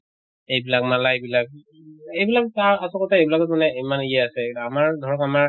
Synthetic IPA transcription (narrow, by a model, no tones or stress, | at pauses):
ejbilak̚malaebilak̚ | ejbilakaasɔkɔtaejbilakɔtmanɛimanijɛasɛamaɹdʱɔɹɔkamaɹ